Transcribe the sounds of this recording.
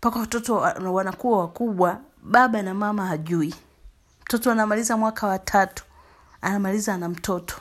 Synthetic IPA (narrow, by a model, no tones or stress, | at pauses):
mpakawatɔtɔwanakuwawakuɓwa | ɓaɓanamamahaʄui | m̩tɔtɔanamalizamwakʰawatʰatu̥ | anamalizaːnam̩tɔtɔ̥